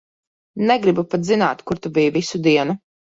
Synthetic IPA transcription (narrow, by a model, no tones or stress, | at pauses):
nɛɡɾibupat̪zinaːt̪kuɾt̪ubijuvisud̪iɛnu